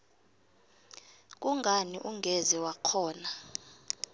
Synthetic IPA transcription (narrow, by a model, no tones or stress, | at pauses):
k̬ʼuŋɡʱaniʔuŋɡʱɛzɛwakʰɔːna